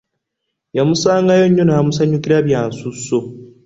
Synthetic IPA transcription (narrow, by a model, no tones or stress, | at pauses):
jamusaːŋɡajo̞ɲːo̞najamusaɲukiɾaβjaːnsusːo